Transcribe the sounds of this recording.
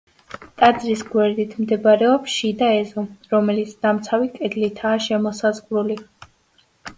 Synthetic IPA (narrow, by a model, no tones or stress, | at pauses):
t̪ʼad̪zɾisɡwɛɾd̪it̪ʰmd̪ɛbɾɛɔpʃid̪aɛzɔɾɔmɛlit̪sʰd̪̥amt̪sʰavikʼɛd̪lit̪ʰaːʃɛmɔsazʁɾuli